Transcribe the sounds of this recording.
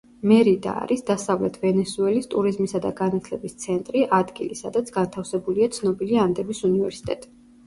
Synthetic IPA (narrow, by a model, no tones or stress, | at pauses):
mɛɾid̪a̰ːɾisd̪asavlɛt̪ʰvɛnɛsuɛlist̪ʼuɾizmisad̪aɡanat̪ʰlɛbist̪sʰɛnt̪ʼɾiʔad̪ɡilisad̪at̪sʰɡ̥ant̪ʰafsɛbuliat̪sʰnɔbiliand̪ɛbisunivɛɾsi̥t̪ʼɛt̪ʼi